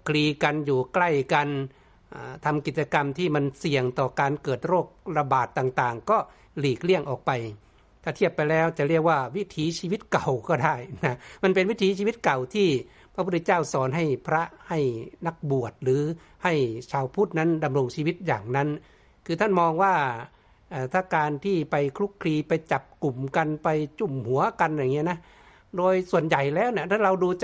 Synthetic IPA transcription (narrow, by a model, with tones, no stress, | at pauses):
kʰliː˧ka˧njuː˨˩kla˧˥˩jka˧n | ʔt̪ʰa˧mki˨˩t̪̚t͡ɕa˧ka˧mt̪ʰiː˧˩ma˧˥nsi˨˩əŋt̪ɔː˨˩kaː˧nkɤː˨˩t̪̚ɾoː˥˩k̚ɾa˧baː˨˩t̪ːaː˨˩ŋt̪aː˨˩ŋkɔː˧˩ | liː˨˩k̚li˥˩əŋʔɔː˨˩k̚pa˧j | t̪ʰaː˧˩t̪ʰi˥˩əpːa˧jlɛː˦˥˩wt͡ɕa˨˩ɾi˥˩ək̚waː˧˩wi˦˥˩t̪ʰiː˨˦siː˧wi˦˥t̪̚ka˨˩wkɔː˧˩daː˧˩jna˦ma˧˥˨npe˧nwi˦˥t̪ʰiː˨˦s̬iː˧i˦˥t̪̚ka˨˩wt̪ʰiː˧˩ | pʰa˧˥pʰu˥˩t̪ʰːe˧˥t͡ɕaː˥˩wsɔː˨˦nɦa˧˥˩jpʰɾa˦˥ha˧˩jna˧˥˩k̚bu˨˩ət̪̚lɯː˨˦ | ha˧˩jt͡ɕʰaː˨˧˩wpʰuː˦˧˥t̪̚na˦˥˨nda˨˧mɾo˧ŋsiː˧wi˦˥t̪̚jaː˨˩ŋna˦˥˨n | kʰɯː˧t̪ʰa˥˩nmɔː˧ŋwaː˧˩ | ʔaː˧˩t̪ʰaː˧˥˩kaː˨˧nt̪ʰiː˧˥˩pa˨jkʰɾu˧˥˩kʰːliː˧pa˧jt͡ɕa˨˩p̚ku˨˩mka˧npa˧jt͡ɕu˧˩mhu˨˦ɐka˧njaː˨˩ŋi˧˥˨na˦˥ | doː˧jsu˨˩ənja˨˩jlɛː˧˥˨wna˧˥˨t̪ʰaː˥˩˨la˧wduː˧